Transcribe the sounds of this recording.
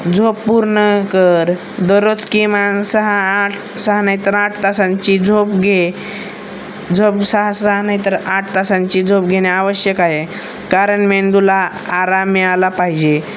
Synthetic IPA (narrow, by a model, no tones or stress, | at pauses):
d͡zʱopːuɾɳəkəɾ | d̪əɾot͡skimansəɦaʈ | səɦnajt̪əɾaʈt̪asãɲt͡ɕiːd͡zʱopɡʱe | d͡zʱopsəɦasəɦnajt̪əɾaʈt̪asãɲt͡ɕiːd͡zʱop̚ɡʱeɽeaʋəɕjəkaɦe | kaɾəɳmend̪ula | aɾamialapaɦid͡ʑe